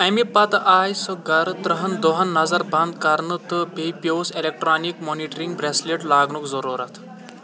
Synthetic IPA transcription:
ɐjmipat̪ajsəɡaɾt̪ɾəɦɐnd̪ɔɦɐnːɐzaɾbʱand̪kaɾnət̪əbʱejpjowselek̚ʈɾanikmɔniʈəɾiŋɡbɾesleʈlaɡɳukzɔɾuɾat̪ʰ

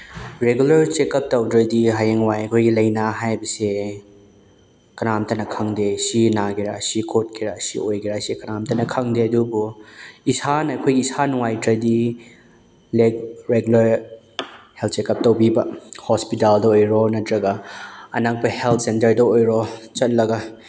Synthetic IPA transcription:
ɾeɡulɐɾt͡ʃekɐp̚tɐwdɾɐdiɦajeŋwajɐkʰojɡilɐjnaɦajbɐse | kɐnamtɐnɐkʰɐŋdesinaɡiɾasikʰot̚kʰiɾasḭojkʰiɾasekɐnamtɐnɐkʰɐŋdeɐdubuisanɐɐkʰojɡiːsanuŋajdɾɐdi | leɡɾeɡulɐɾ | helt̚sekɐp̚tɐwbibɐhɔspitaldɐojɾɔnɐtɾɐɡɐɐnak̚pɐhelt̚ʰsentɐɾdɐojɾɔt͡ʃɐt̚lɐɡɐ

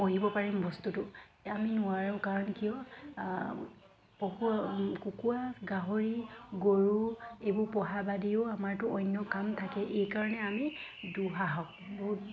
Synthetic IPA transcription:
oɦibɔpaɹimbɔstutʊaminʊaɹɔkaɹɔnkijɔ | pɔɦukukuaɡaɦoɹiɡoɹuejbʊɹpɔɦabadiʊamaɹtʊɔjnjɔkamtʰakɛʔejkaɹɔnɛamiduɦaɦaʊ | bɔɦut̚

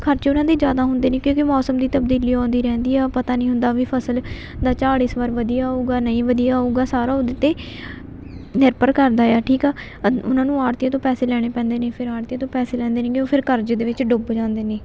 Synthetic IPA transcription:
kʰəɾt͡ʃʊnãːd̪iːd͡ʒjaːd̪aːɦʊnd̪eːnẽːkjõːkɪmɔːsəmd̪iːt̪əb̚d̪iːliːɔ̃ːnd̪iːɾɛ̃ːnd̪iːaːpət̪aːnĩːɦʊ̃nd̪aːʋiːpʰəsəl | d̪aːt͡ʃaːɽiːsʋəɾʋəd̪ijaːuːɡaːnəĩːʋəd̪ijaːɦuːɡaːsaːɾaːod̪ɪt̪eː | nɪɾpəɾkəɾd̪aːjaːʈʰiːkaː | ʊ̰nãːnũːaːɾt̪iːãːt̪̬õːpɛːseːlɛːɽ̃eːpɛ̃ːnd̪eːneːpʰɪɾaːɾt̪ijãt̪õːpɛːseːlɛ̃ːnd̪eːnẽːkõːpʰɪɾkəɾd͡ʒd̪eːʋɪt͡ʃɖʊbd͡ʒãːnd̪eːneː

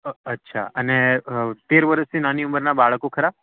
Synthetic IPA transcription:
ətːʃʰa̰ənet̪eɾʋəɾəst̪ʰinaniuməɾnabaɭkokʰəɾab

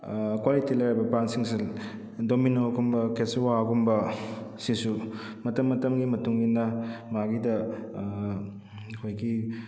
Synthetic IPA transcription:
kwalitilɐjabɐpansiŋse | dominoɡumbɐkeswaɡumbɐsisu | mɐtɐmːɐtɐmɡimɐtuŋɡinɐmaɡidɐ | kʰojɡi

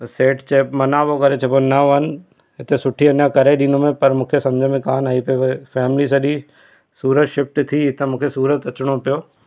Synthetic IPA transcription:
seːʈt͡ɕeːpmɐnaːbokɐɾet͡ʃʰɐbonɐʋənɪ̆ | ɦɪt̪esʊʈʰiɐnjakɐɾeɗĩːnomẽpɐɾmũːkʰesɐ̃md͡ʑʱmẽkaːnaːipɐofɛːmɪlis̬ɐɗi | suːɾət̪ʃɪfʈt̪ʰiɪt̪ʰemũːkʰesuːɾət̪ɐt͡ɕɽ̃opijoː

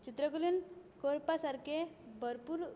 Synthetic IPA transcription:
t͡ʃit̪ɾəkulinkoɾpasaɾkebəɾpuɾ

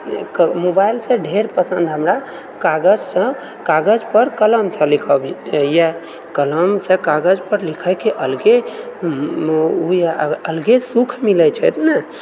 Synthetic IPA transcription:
mobajlsẽɖʱeɾpəsənd̪ɦəmɾa | kaɡəd͡ʒsə̃ | kaɡəd͡ʒpəɾkələmt͡ʃʰəlikʰəbijɛ | kələmsẽkaɡəd͡ʒpəɾlikʰəkeʔəlɡe | ujəlɡesukʰmilət͡ʃʰɛt̪nɛ

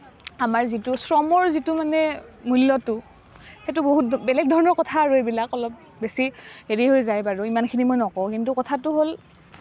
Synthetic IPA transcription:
amaɹzitʊsɹɔmɔɹzitʊmanɛmulːɔtʊ | xetʊboɦutbɛlɛɡ̚dʱɔɹɔnɔɹkɔtʰaɹoebilakɔlɔp̚ | besiheɹiɦojzajbaɹʊimankʰinimojnɔkɔ̃w̃kintukɔtʰatʊɦol

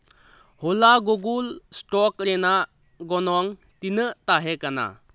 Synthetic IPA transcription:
hɔlaɡoɡulsʈɔkɾena | ɡɔnɔŋ | tinətaɦekana̰

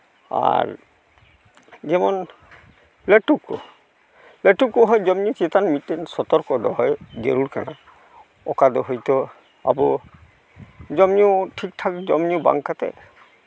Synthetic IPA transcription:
a̰ɹ | d͡ʒɛmɔn | lɛʈukːɔ̰ | lɛʈukːɔɦɔjd͡ʒɔmnit͡ʃit̪anmitːɛnsɔt̪ɔɾkɔd̪ɔɦɔjɡeɾuɾkana | ɔkad̪ɔɦɔjt̪ɔ | a̰bɔ | d͡ʒɔmniuʈʰik̚tʰakd͡ʒɔmniuba̰ŋkat̪ɛ̰

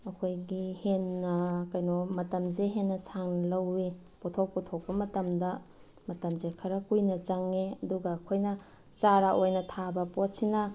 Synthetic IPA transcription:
ɐkʰojɡihenːɐkɐjnomɐtɐmzeɦenːɐsʰaŋnɐlɐwi | potʰok̚pɔtʰok̚pɐmɐtɐmdɐ | mɐtɐmzekʰɐɾɐkujnɐt͡ʃɐŋeɐduɡɐːkʰojnɐ | t͡ʃaɾaʔojnɐtʰabɐpot̚sinɐ

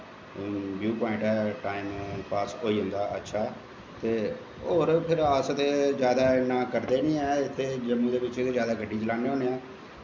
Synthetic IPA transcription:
bjuːpɔːɪ̃ɳʈɛːʈaːimpaːsɦoːiːɦʊ̃nd̪aːə̰tːʃʰaː | t̪eː | oːɾpʰɪɾaːsət̪eːzjaːd̪aːnaːkəɾd̪eːnĩːɛːɪt̪ʰːeːd͡ʒəmːũːd̪eːʋɪt͡ʃt̪ʰːeːzjaːd̪aːɡʱəɖːiːt͡ʃəlaːneːoːneːaː

